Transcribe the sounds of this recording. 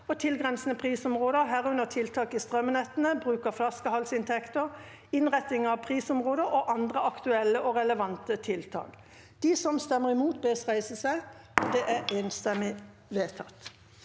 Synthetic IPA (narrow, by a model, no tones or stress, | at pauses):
ɔt̪ʰɪlɡʁɛnsnəpʰʁiːsɔmʁoːd̪əɦæːʁʉnəʁt̪ʰɪlt̪ʰɑːkɪst̪ʁœmənɛt̪ənəbʁʉːkəflɑskəhɑlsɪnt̪ʰɛkt̪əʁ | ɪnʁɛt̪ːɪŋɑʋpʰʁiːsɔmʁoːd̪əʔɔʔɑnd̪ʁəɑkt̪ʉɛlːəʔɔʁɛləʋɑnt̪ət̪ʰɪlt̪ʰɑ̰ːk | d̪̥isɔmst̪ɛmːəʁɪmuːt̪beːsʁæɪsəsæɪd̪ɛʔæʁeːnst̪ɛmɪ | ʋeːt̪ʰɑt̪